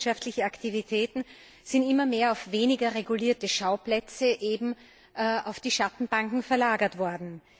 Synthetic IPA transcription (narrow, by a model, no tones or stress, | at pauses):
ʃaftlɪçəaktivitʰɛːtn̩ | z̥ɪntimɐmeːɐaʊfveːnɪɡɐʁeɡuliːɐtəʃaʊplɛt͡səʔeːbm̩ | ʔʔaʊfd̥iːʃatn̩b̥aŋkŋ̩fɛɐlaːɡɐtv̥ɔɐdn̩